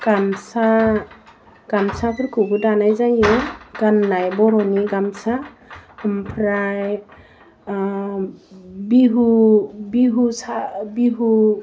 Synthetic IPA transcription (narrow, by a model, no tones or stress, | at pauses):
ɡ̥amsa | ɡ̥amsapʰɯɾkubɯdanajzajɯɡ̥anːajbɔɾɔniɡamsa | mpʰɾaj | biɦubiɦusabiɦu